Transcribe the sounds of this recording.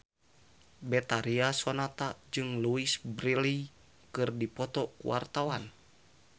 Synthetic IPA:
bɛt̪aɾiasɔnat̪ad͡ʒɨŋluisbɾili | kɨrdipɔt̪ɔkṵwa̰rt̪awan

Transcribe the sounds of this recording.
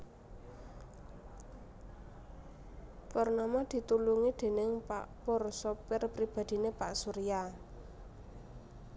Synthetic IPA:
pɔrnamad̪̥i̤t̪uluŋid̪̥e̤nɪŋpa̰ʔpɔrsɔpɪrpɾib̥a̤d̪̥i̤nepaʔsuɾija

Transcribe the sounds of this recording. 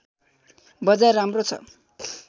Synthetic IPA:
bʌd͡zarːamrot͡sʰʌ̰

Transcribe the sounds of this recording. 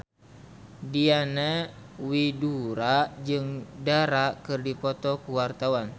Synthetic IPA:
dianɛwiduɾad͡ʒɨŋdaɾakɨrdipɔt̪ɔkuwart̪awan

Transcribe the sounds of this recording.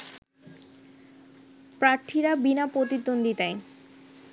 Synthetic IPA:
pɾaɾt̪ʰiɾabinapot̪id̪ːond̪it̪ae

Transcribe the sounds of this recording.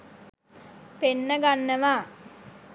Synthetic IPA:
penːəɡanːəʋaː

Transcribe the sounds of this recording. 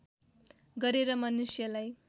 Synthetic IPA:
ɡʌɾeɾʌmʌnusjʌlaj

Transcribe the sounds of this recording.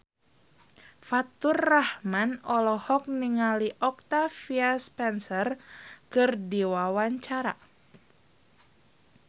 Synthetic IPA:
fat̪urːahmanɔlɔhɔk̚niŋaliʔɔk̚t̪afiaspɛnsərkɨrdiwawaɲt͡ʃaɾa̰

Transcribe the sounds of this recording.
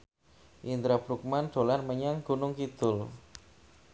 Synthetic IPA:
ʔint̪ɾab̥ɾuk̚manɖ̪̥o̤lanməɲaŋɡ̥unʊŋkid̪̥ʊl

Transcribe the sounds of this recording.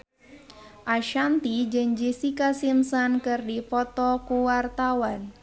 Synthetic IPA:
ʔaʃant̪id͡ʒɨŋd͡ʒisikasimsankɨrdipɔt̪ɔkuwart̪awan

